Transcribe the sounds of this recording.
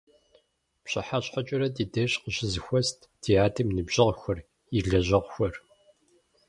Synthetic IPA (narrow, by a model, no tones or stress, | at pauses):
pɕɐħaɕħɐt͡ʃʼɪɾɐdiːdɐɕqəɕɪzɨxʷɔstʰd̥ʰiaːdʰɨmnɨbʒʑɪʁxʷɔr | iɮɐʑɐʁʷxʷɔr